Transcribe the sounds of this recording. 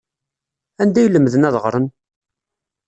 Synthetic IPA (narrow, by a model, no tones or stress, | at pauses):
ænd̪æjləmːðənæðʁɾˤən